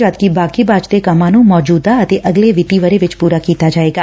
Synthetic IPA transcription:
ɾaːt̪̚kibaːkibaːd͡ʒt̪ekəmãnũmɔːd͡ʒuːd̪aət̪eʔəɡleʋɪt̪iʋəɾeʋɪt͡ʃpuːɾakiːt̪ad͡ʒaːeːɡaː

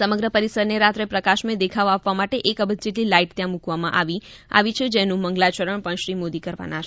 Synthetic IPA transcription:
səməɡɾəpəɾisəɾneɾat̪ɾepɾəkaʃmed̪ekʰaʋapʋamaʈeʔekəbəd̪d͡ʒeʈlilaiʈt̪jãmukʋamã̰ʔa̰ʋia̰ʋit͡ʃʰed͡ʒenũməŋɡlat͡ʃəɾəɳpəɳʃɾimod̪ikəɾʋa̰na

